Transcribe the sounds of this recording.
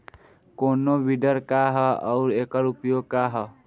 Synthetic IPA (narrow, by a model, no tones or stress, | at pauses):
konobiɖʌɾkaɦʌuɾekʌɾupjoɡ̚kaɦʌ